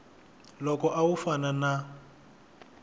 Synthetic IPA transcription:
lɔkɔʔawufanana

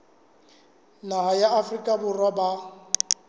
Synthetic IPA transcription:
naɦajaafrikʼabʊrwaba

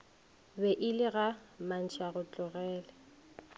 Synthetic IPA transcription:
bɛʔɪlɪɣaman̩t͡ʃʰaɣʊt͡ɬʼʊɣɛːlɛ

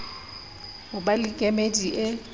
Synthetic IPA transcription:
hʊbalɪkʼemediʔɪ

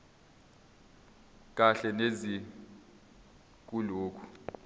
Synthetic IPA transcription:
k̬ʼaɬɛnezi | k̬ʼuloːkʰu̥

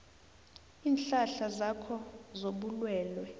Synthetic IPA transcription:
iːnɬaɬazakʰɔzoɓulwɛːlwɛ

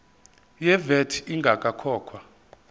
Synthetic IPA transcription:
jɛvɛtʰiŋɡʱakʼakʰɔːkʰwa

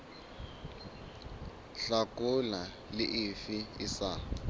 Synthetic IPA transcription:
ɬakʼʊla | lɪʔɪfɪɪsa

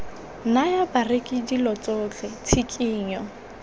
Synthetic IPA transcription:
najabarɪkʼɪdilɔt͡sʼoːt͡ɬʼɛt͡sʰikʼiːɲɔ

